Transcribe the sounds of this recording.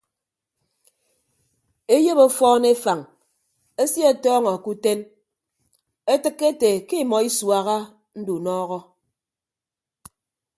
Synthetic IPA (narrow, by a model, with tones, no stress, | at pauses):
e˦je˦βo˦fɔː˦ne˦fa˨ŋ | e˦sje˦˨tɔː˦ŋɔ˨ku˦te˦n | e˦tɨ˦kːe˦te˨ki˦˨mɔ˨i˦swa˨ɣa˦ | n̩˦du˨nɔː˦ɣɔ˦